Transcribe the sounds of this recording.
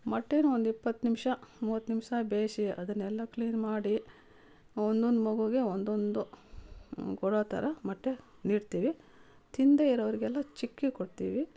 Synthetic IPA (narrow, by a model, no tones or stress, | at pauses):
mɐʈːenuond̪uipːɐt̪ːnimʂɐmuːʋɐt̪ːnimʂɐbeːʃiɐ̰d̪ɐnːɛlːɐkliːnmaːɽi | ond̪ond̪umɐɡuɡe̞ond̪ond̪u | ɡɔɽoːt̪ɐ̰ɾɐmɐʈːe | niːɽt̪iːʋi | t̪ind̪eiɾɐʋɐɾiɡɛlːɐt͡ʃikːikoɽt̪ḭːʋi